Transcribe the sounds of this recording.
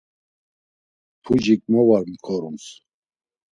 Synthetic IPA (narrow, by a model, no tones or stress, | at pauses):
pʰud͡ʒikʼmɔvaɾmkʰɔɾuns